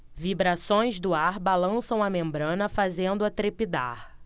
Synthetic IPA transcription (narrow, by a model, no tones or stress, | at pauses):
vibɾasõj̃zd̪ʊaɾbalɐ̃sɐ̃w̃ɐmẽmbɾɐ̃nɐfazẽnd̪ʊat̪ɾepid̪a̰ɾ